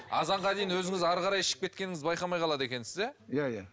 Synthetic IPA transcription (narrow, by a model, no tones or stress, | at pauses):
ɑ̰zɑɴʁɑd̪ejɪnwɵzɪŋɪzɑɾʁɑɾɑjəʃə̥p̚kʲe̞t̪̚kʲenɪŋɪzbɑjqɑmɑjqɑlˠɑd̪e̞kʲe̞nsɪzejaja